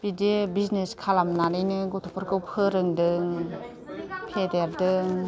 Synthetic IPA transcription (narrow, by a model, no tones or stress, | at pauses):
b̥idebizneskʰalamnaɾɯjnɯɡɔtʰupʰuɾkʰɯwpʰɯɾɯŋdɯŋ | pʰedeɾdɯŋ